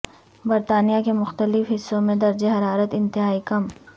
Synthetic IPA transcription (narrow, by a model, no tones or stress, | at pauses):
bɐɾt̪aːnijakemʊxt̪əlɪfɦɪsːõmẽd̪ɐɾd͡ʒeɦɐɾaːɾət̪ɪ̃nt̪ɪɦaːikɐm